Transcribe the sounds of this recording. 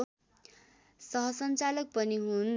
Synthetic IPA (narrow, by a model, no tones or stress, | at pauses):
sʌɦʌsʌnt͡salʌk̚pʌniɦun